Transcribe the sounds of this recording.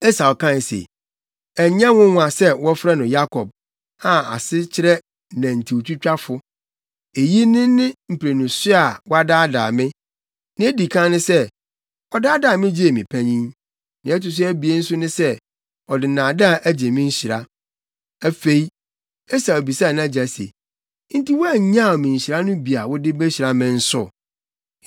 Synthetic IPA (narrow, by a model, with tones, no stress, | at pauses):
ɛ˦sa˨ɔ˨kʰã˦˨sḛ˨ | ɛ˨ɲã˦wʊ̃˦ŋʷ˦ã˨sɛ˦wɔ˦fɾɛ˦nʊ̃˨ja˦kʰɔ˨b̚ | a˨a˨sɪ˦t͡ɕʰɪ˦ɾɛ˦ | næ̃˨n̩˨tʰi˨o˨t͡ɕʰᶣu˦t͡ɕᶣa˦fʊ˦ | e˨ji˦nɪ̃˦nɪ̃˦m̩˨pʰɾe˨nʊ̃˨sɪ˦a˨wɔ˦a˦daː˦da̰ː˨mɪ̃˦ | nɪ̃˦e˦di˨kʰã˦nɪ̃˦sɛ˦ | ɔ˦daː˦daː˨mɪ̃˦d͡ʑi˦e˨mɪ̃˨pʰæ˦ɲĩ˦n | nɪ̃˨˦ɛ˦tɪ˨s̬ʊ˦æ˦bi˨e˦n̩˦sʊ˦nʊ̃˦sɛ˦ | ɔ˨dɪ˨nãː˨da˦˨ʔæ˦d͡ʑe˨mɪ̃˦ɲ̩˦ɕi˨ɾa˦ | æ˨fe˨i˦ | ɛ˦sa˨o˨bi˨sa˦˨nã˦d͡ʑa˨sḛ˨ | n̩˦ti˦wɔ˦æ˦˨ɲã˦˨ɔ˨mɪ̃˨ɕi˨ɾa˦nʊ̃˦bi˨a˨wʊ˦dɪ˦be˦ɕi˨ɾa˦mɪ̃˨n̩˦sʊ˦